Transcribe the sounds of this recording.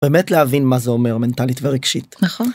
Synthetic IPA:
beːmetlehavinmazeomeʁmentalitveʁeɡʃit̪naχon

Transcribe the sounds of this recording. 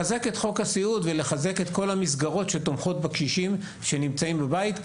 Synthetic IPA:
aze̞ke̞t̪χo̞khasiud̪vele̞χaze̞ke̞t̪ko̞lhamis̬ɡaʁo̞tʃe̞t̪omχo̞t̪̚bakʃiʃim | ʃe̞nimt͡saimbabait̪

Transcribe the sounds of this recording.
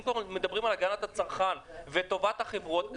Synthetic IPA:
mkvaʁmed̪abʁimalaɡanat̪at͡saʁχanvet̪o̞vat̪haχevʁuot̪

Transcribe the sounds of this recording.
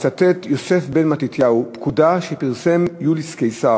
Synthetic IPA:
t͡sat̪et̪jose̞fbenmat̪it̪jaupkudaʃepiʁse̞mjuliskejsa

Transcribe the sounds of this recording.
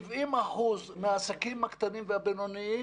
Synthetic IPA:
vʔimaħuzmeaːsakimhakt̪animvehabenonii

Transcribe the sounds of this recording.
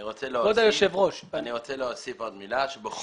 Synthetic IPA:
iʁot͡sɛleood̪ajoʃevʁoʃaniʁot͡sɛleɦosifod̪milaʃebeχ

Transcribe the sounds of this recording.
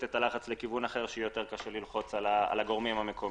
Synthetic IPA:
t̪et̪alaχat͡slekivunaχe̞ʁʃeujo̞t̪e̞ʁkaʃelilχo̞t͡salaa̰laɡo̞ʁmimamekʰo̞

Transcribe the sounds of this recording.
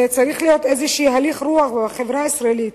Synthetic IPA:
et͡saɾiχlijot̪ejzeʃiːɦaliχɾuaχbaχevɾaisɾaelit̪

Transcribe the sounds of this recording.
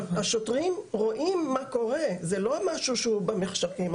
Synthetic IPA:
aʃotʁimʁo̞ʔimːako̞ʁezelo̞maʃuʃeubameχʃaʁim

